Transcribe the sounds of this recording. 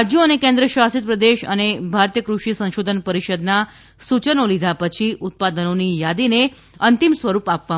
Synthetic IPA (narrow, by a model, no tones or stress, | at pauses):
d͡ʒjoənekẽnd̪ɾəʃʋastit̪̚pɾəd̪eʃə̰nebʱaɾt̪ijəkɾuʃisə̃nʃod̪ʱənpəɾiʃəd̪na | sut͡ʃənolid̪ʱapət͡ʃʰiʔʊt̪̚pad̪ənonijad̪ine | ənt̪imsʋəɾupapʋa